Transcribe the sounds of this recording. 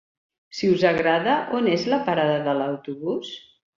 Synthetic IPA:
siuzəɣɾaðəʔonezləpaɾaðəðələwt̪uβus

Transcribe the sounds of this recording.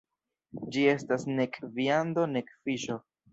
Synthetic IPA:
d͡ʒie̞stasne̞kviando̞ne̞kfiʃo̞

